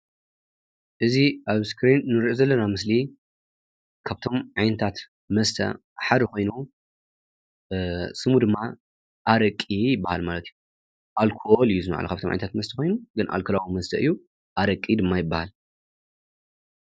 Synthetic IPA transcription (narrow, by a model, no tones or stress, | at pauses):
ʔɨziʔaβskɾinːɨɾiʔozɐlːɐnamɨsli | kʰaβt̪ʰo̞mʕajnɐt̪ʰat̪ | mɐst̪ʰɐ̰ | ħad̪ɨkʰo̞jnu | sɨmud̪ɨmːa | ʔaɾɐkʼːijɪbːahalmalɐt̪ɨju | ʔalkʰolɨjːuzɨma̰ʔa̰lɐkʰaβt̪omʕa̰jnɐt̪ʰat̪mɐst̪ʰɐko̞jnuɡɨnʔa̰lkʰɐlawumɐst̪ʰɐʔɨjːu | ʔaɾɐkʼid̪ɨmːajɪbːahal